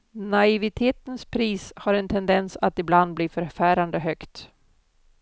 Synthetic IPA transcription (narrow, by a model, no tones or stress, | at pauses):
naɪvɪt̪ʰeːt̪ənspʰɾiːshaɾɛnt̪ʰɛnd̪ɛnsat̪ɪbland̪̚bliːfœɾfæːɾand̪əɦœkt̪